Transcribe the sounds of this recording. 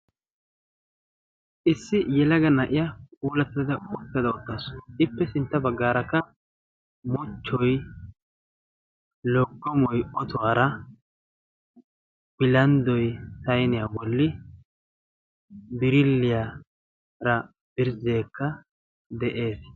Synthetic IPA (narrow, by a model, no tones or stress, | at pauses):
ʔɪsːɪjɛlɐɡɐnɐʔɪjakuːlɐt̪ːɪd̪ɐd̪ɐɔt̪ːɐd̪ɐɔt̪ːaːsɔɪpːɛsɪnt̪ːɐbɐɡːaːɾɐkːɐ | mɔt͡ʃːɔj | lɔɡːɔmɔjʔɔt̪ɔaːɾɐ | b̥ɪlɐnd̪ɔjt̪ɐjnɪjabɔlːɪ | bɪɾɪlːɪja | ɾɐ | b̥ɪɾzeːkːɐ | d̪ɛʔe̞ːs